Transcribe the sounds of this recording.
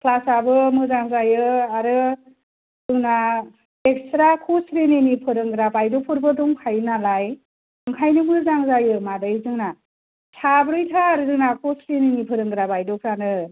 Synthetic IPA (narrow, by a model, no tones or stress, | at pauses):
kʰlasabɯmɯzaŋzajɯaɾɯ | dɯŋna | ekstɾakʰusɾenenipʰɯɾɯŋɡɾabajdopʰɯɾbɯduŋkʰajnalaj | ɯŋkʰajnɯmɯzaŋzajɯmadɯjzɯŋna | sʰabɾɯjtʰaːɾɯzɯŋnakʰusɾenɯnipʰɯɾɯŋɡɾabajdɔpʰɾanɯ